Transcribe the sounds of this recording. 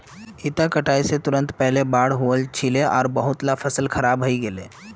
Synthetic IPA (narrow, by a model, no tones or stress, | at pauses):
it̪akəʈaːiset̪ʊɾə̃nt̪pɛɦlebaːɽɦuəlt͡ʃʰileɔːɾbəɦʊt̪lafʰəsəlkʰəɾaːbɦəiɡelḛː